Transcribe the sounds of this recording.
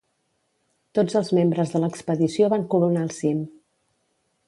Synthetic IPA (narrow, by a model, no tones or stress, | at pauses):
t̪od͡zəlˠzmembɾəzðələkspəðisioβaŋkuɾunaːlˠsim